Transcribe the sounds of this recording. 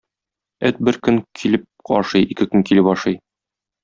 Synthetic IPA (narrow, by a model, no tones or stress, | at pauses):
ɘt̪̚bɘɾkɵŋkʰilɘp̚ɒ̰ʃɤjikɘkɵŋkilɘpɒʃɤj